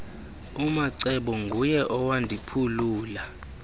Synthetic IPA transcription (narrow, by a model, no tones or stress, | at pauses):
umaǀɛɓɔŋɡʱujɛʔɔwandʱipʰuluːla